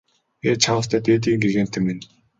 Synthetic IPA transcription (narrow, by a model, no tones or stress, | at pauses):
et͡ɕʰawə̆st̪ʰæːt̪eːt̪iːŋɡeɣeːnt̪ʰĕmːin